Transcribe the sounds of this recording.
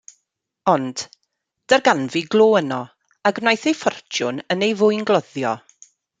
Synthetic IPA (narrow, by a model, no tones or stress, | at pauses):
ɔnd̥ | d̥ərɡanviɡlˠoːənɔ | aɡnajθejfɔrtʰjʊnənejvʊjnɡlˠɔðjɔ